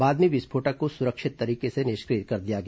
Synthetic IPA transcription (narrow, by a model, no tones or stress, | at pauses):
baːd̪miʋɪspʰoːʈakosʊɾəkʃɪt̪ːɐɾiːkesenɪʃkɾiːt̪̚kɐɾd̪ijaɡɐ